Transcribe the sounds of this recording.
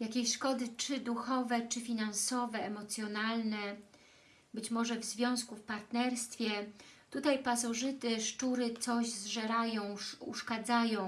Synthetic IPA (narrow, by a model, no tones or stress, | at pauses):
jakʲeɕʂkɔd̪ɘt͡ʂɘd̪uxɔvɛt͡ʂɘfʲinansɔvɛːmɔt̪sʲjɔnalnɛ | bɘt͡ɕmɔʐɛvzvʲjɔ̃w̃skufpaɾt̪nɛɾst̪fʲjɛt̪ut̪ajpas̬ɔʐɘt̪ɘʂt͡ʂuɾɘt̪sɔʑzʐɛɾajɔ̃w̃ṵʂkad̪zajɔ̃w̃